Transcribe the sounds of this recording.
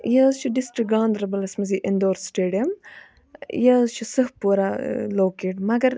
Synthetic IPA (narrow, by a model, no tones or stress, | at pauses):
jaːzt͡ʃʰuɖisʈɾik̚ɡãːnd̪ɾɐbɐlɐsmɐziʔind̪oːɾsʈeːɖijɐm | jaːzt͡ʃʰusɐhpuːɾaloːkeːʈmɐɡɐɾ